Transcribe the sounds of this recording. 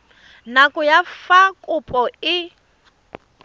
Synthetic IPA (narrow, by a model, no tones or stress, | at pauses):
nakʼʊjafakʼʊpʼɔɪ